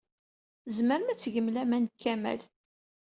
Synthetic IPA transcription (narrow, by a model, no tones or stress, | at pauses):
zməɾəmæt͡sːʝəmlæmænkːæmæ̰l